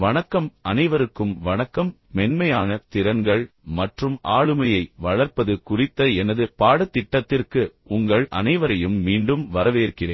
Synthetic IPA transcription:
ʋɐnɐkːɐmɐnɐɪʋɐɾɯkːɯmʋɐnɐkːɐmːɛnmɐjaːnɐt̪ɪɾɐnɡɐɭ | mɐʈrɯma̰ːɻɯmɐjɐɪʋɐɭɐɾpɐðɯkʊrɪt̪ːɐɛnɐðɯpaːɽɐt̪ːɪʈːɐt̪ːɪrkɯ | ʊŋɡɐɭʔɐ̰nɐɪʋɐɾɐjɯmːiːɳɖɯmʋɐɾɐʋeːɾkɪrḛːn

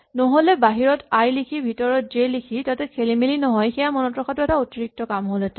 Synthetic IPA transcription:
nɔɦolɛbaɦiɹɔtajlikʰibʱitɔɹɔt̚d͡ʒelikʰitatɛkʰelimilinɔɦɔjxɛjamɔnɔtɹɔxʰatʊɛtaotiɹik̚tɔkamɦolɛtɛ

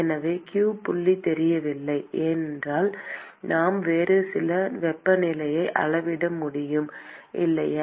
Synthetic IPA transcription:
ɛnɐʋeːkjuːpʊɭːit̪ɛɾɪjɐʋɪlːɐɪʔɛːnndraːl | naːmʋeːɾɯsɪlɐʋɛpːɐnɪlɐjɐɪʔɐ̰ɭɐʋɪɽɐmːʊɽɪjɯmʔɪ̰lːɐj

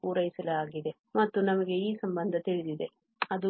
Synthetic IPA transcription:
uːɾɐjisɐlɐaːɡid̪e | mɐt̪ːunɐmɐɡe̞iːsɐmbɐnd̪ʱɐt̪iɭid̪id̪e̞ | ɐd̪u

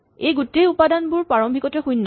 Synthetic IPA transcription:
ejɡutːejupadanbʊɹpaɹɔmbʱikɔtɛxujnːɔ

